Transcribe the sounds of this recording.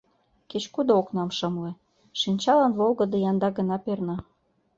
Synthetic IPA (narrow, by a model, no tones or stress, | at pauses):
ket͡ɕkud̪ooknɑmʃɤ̆mlĕ | ʃinʲt͡ɕɑlɑnβolɣɤ̆d̪ɤ̆jɑnd̪ɑɣə̆nɑpernɑ